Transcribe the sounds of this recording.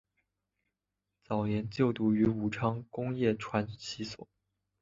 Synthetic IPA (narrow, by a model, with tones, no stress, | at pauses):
t͡sɑ˨˩ʊjɛ˧˥nt͡ɕjo˥˩ʊt̪u˧˥y˧˥u˨˩ʈ͡ʂʰɑ˥ŋkʊ˥ŋjɛ˥˩ʈ͡ʂʰwa˧˥nt͡ɕʰi˧˥swɔ̰˨˩˦